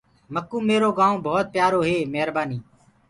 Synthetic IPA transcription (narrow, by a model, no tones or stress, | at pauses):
məkːũːmeːɾoːɡaːõːbʱɔːt̪̚pjaːɾoːɦeːmeɦɾbaːniː